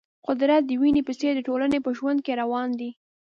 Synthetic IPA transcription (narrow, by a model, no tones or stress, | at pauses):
qʊd̪ɾat̪̚d̪əwinepəsed̪əʈolanepəʒwand̪̚keɾawɑnd̪i